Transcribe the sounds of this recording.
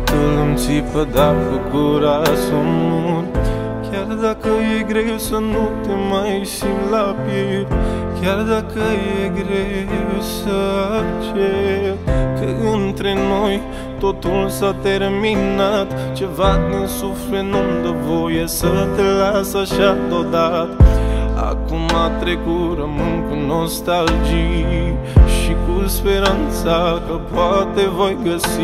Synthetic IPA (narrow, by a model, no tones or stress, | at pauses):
t̪əmt͡ʃipəd̪aɾkukoɾasunun | kʲaɾd̪akəjeɡɾewsɐnut̪emajʃimlapjekʲjaɾd̪akəjeɡɾewsəat͡ʃe | kəɨnt̪ɾenoj | t̪ot̪ulsat̪eɾminat̪ | t͡ʃe̞vad̪insuflenund̪əvo̞jesət̪elasaʃad̪od̪at̪a̰kumat̪ɾekuɾəmɨnkuno̞st̪ald͡ʒi | ʃikuspeɾant̪sakəpoat̪evo̞jɡəsi